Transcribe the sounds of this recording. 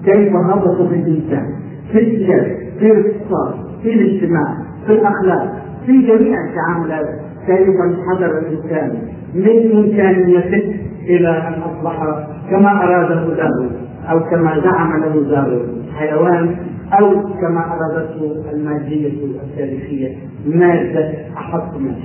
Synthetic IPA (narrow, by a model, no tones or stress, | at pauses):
kejfaɦɑd̪ˤɑt̪ˤɑbɪlʔɪnsa̰ːn | filʔɪjaːt̪fiːlɪkt̪ɨ̥sˤɑːtˤ | filɪd͡ʒt̪ɪmaːʕ | filʔaxlaːq̚ | fid͡ʒamiːʕɪt̪ːaʕaːmalaːt̪ | k̪aːjɪbanħɑd̪ˤɑɾˤɪlʔɪnsaːni | mɪnʔɪmkaːnjafɪd̪ʔɪlaʔalʔɑsˤlɑħɑ | kamaʔɑɾˤɑːd̪aɦʊlah | ʔawkamazaʕamalawɪzaːɾˤɑ̰ħajawaːn | ʔawkamaʔɑɾˤɑːd̪at̪hʊʔalmaːd̪ːɪjːawat̪ːaːɾixɪjːa | maːd̪ːaʔɑħɑt̪ˤːma